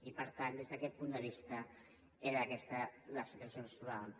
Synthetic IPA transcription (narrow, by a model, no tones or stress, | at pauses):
ipəɾt̪and̪ezðəkɛt̪̚pund̪əβ̞ist̪ə | eɾəːkɛst̪ələsit̪uasjonəst̪uɾal